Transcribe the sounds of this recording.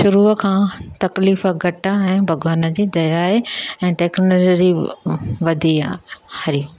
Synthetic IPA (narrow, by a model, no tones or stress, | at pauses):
ʃʊɾuːəkʰãːt̪ɐkliːfəɡʱɐʈãɛ̃ːbʱɐɡaːnəd͡ʑiːd̪ɐjaːeɛ̃ːʈeːknoːd͡ʑɾi | ʋɐd̪ʱiahɐɾi